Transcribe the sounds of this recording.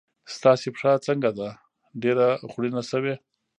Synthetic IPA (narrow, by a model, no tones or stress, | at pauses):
st̪ɑsepʂat͡səŋɡad̪a | ɖeɾaɣɽinasəwe